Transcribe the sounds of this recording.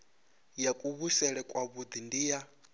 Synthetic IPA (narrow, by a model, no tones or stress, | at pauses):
jakʼuβusɛɺɛkʼwaβud̪indija